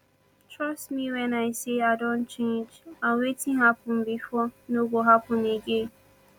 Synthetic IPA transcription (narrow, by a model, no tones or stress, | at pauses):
tɹɔstmiwɛnaɪseadɔ̃nt͡ʃẽnd͡ʒawetiɦapʊm̩bifɔnoɡʷoɦapʊneɡe